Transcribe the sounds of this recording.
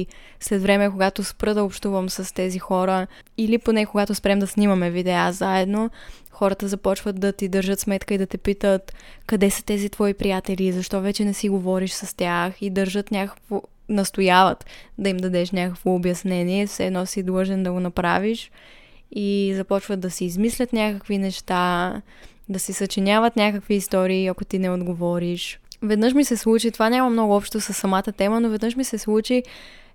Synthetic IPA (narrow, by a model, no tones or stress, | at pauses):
slɛt̪vɾɛmɛkoɡat̪ospɾɤd̪ɐopʃt̪uvəmsɐst̪ɛzixɔɾə | iliponɛkoɡat̪ospɾɛmd̪ɐsnimɐmɛvid̪ɛaszaɛd̪no | xɔɾət̪əzɐpɔt͡ʃvət̪̚d̪ɐt̪id̪əɾʒɤt̪smɛt̪kəid̪ɐt̪ɛpit̪ət̪kɐd̪ɛsə̥t̪ɛzit̪vɔipɾijat̪ɛlizɐʃt̪ɔvɛt͡ʃɛnɛsiɡovɔɾiʃsɐst̪ʲaxid̪əɾʒɤt̪nʲakəkvo | nɐst̪ojavət̪d̪ɐimd̪ɐd̪ɛʃnʲakəkvoːbjɐsnɛniɛfsɛd̪nɔsid̪lˠəʒɛnd̪ɐɡonɐpɾaviʃ | izɐpɔt͡ʃvət̪̚d̪ɐsiːzmislʲət̪nʲakəkvinɛʃt̪a | d̪ɐsisɐt͡ʃinʲavət̪nʲakəkviːst̪ɔɾiːɐkot̪inɛod̪ɡovɔɾiʃvɛd̪nɤʃmisɛslˠut͡ʃit̪ovanʲamɐmnɔɡʊɔpʃt̪osɐsːɐmat̪ət̪ɛmənovɛd̪nəʃmisɛslˠut͡ʃi